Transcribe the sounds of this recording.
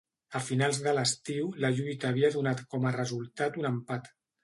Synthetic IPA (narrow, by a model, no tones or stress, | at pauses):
əfinalˠzðələst̪iwləʎujt̪əːβiəðunat̪kɔmərəzulˠt̪at̪unəmpat̪